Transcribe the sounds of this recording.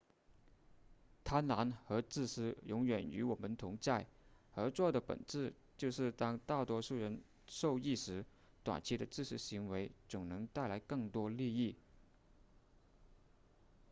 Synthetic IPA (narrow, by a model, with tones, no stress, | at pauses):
t̪ʰa˥nna˧˥nxɤ˧˥t͡sɹ̩˥˩ʂɹ̩˥jʊ˧˥ŋɥɛ˨˩ny̰˧˥wɔ˨˩mə˧˦nt̪ʰʊ˧˥ŋt͡sa˥˩ɪə˧˥t͡swɔ˥˩d̪ə˩pə̰˨˩nʈ͡ʂɻ̩˥˧ | t͡ɕjo˥˧ʊʂɻ̩˥˩t̪ɑ˥ŋt̪a˥˩t̪wɔ˥ʂu˥˩ɻə˧˥n | ʂo˥˧ʊi˥˩ʂɻ̩˧˥ | t̪wa̰˨˩nt͡ɕʰi˧˥d̪ə˧t͡sɻ̩˥˩ʂɻ̩˧˥ɕi˧˥ŋwe˧˥ɪt͡sʊ˨˩ŋnɤ˧˥ŋt̪a˥˩ɪla˧˥ɪkɤ˥˩ŋt̪wɔ˥li˥˧i˥˩